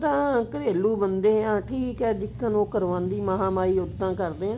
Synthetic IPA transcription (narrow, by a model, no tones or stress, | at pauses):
t̪ãːkəɾeːluːbənd̪eːãːʈʰiːkɛːd̪ɪkːənoːkəɾʋãːnd̪iːmaɦãːmaːiːʊd̪ãːkəɾd̪eːãː